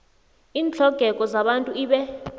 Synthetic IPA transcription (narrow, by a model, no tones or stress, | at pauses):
iːnt͡ɬʰɔɡ̥ʱɛkʼɔzaɓantʼuiːɓɛ